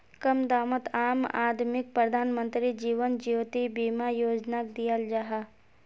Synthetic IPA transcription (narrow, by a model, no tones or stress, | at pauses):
kɐmd̪aːmət̪aːma̰ːd̪mɪk̚pɾəd̪ʱaːnmə̃nt̪ɾid͡ʒiːʋənd͡ʒiʋt̪ibiːmajoːd͡ʒnak̚d̪ijəld͡ʒaɦaː